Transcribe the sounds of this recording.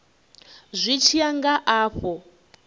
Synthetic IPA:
zʷit͡ʃʰiaŋɡaʔaːɸɔ

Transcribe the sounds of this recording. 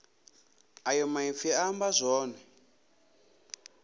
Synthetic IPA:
ajɔmaifiambazʷɔːnɛ

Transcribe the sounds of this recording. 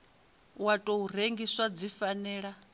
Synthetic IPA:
watʼouɾ̤eŋɡiswad͡zifanɛːɺa

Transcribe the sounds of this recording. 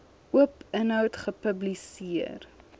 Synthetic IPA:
uəpənœwtχəpəblisiər

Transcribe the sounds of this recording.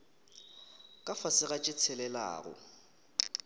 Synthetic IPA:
kʼafasɪɣat͡ʃʼɪt͡sʰɛlɛla̰ːɣʊ̰

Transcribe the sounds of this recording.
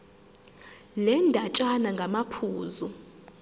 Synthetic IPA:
lɛndʱat͡ʃʼanaŋɡʱamapʰuːzu

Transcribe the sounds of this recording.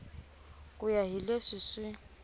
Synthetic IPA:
kʼʊjaɦileʂɪsɪ

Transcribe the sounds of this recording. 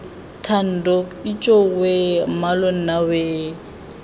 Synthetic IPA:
tʰan̩ːdɔit͡ʃʼowemalon̩naweː

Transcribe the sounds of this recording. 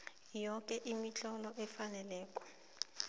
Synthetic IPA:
jɔk̬ʼɛʔimit͡ɬɔlɔʔɛfanɛlɛːkʼɔ̥

